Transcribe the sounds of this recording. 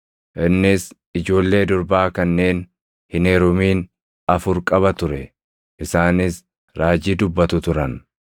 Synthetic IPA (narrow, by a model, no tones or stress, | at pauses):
ʔɪnːɪs | ɪd͡ʒo̞ːlːe̞ːd̪ʊɾbaːkɐnːe̞ːn | hɪneɾʊmiːn | ɐfʊɾkʼɐβɐt̪ʊɾɛ | ʔɪsaːnɪs | ɾaːd͡ʒiːd̪ʊbːɐt̪ʊt̪ʊɾɐn